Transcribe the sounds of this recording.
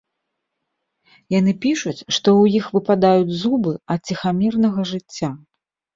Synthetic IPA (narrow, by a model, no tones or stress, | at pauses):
janɨpʲiʂut͡sʲʂt̪ɔwjixvɨpad̪ajud͡zʲzubɨɐt̪̚t͡sʲixamʲɛrnɐɣɐʐɨt͡sʲːa